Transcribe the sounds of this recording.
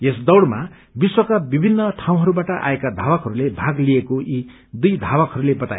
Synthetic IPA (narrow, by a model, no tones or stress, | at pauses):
esd̪ʌwɽma | biswʌkabibʱinːʌʈʰaw̃ɦʌɾubaʈʌʔa̰ekad̪ʱawʌkɦʌɾulebʱaɡliekoi | d̪ujd̪ʱabʌkɦʌɾulebʌt̪a̰ḛ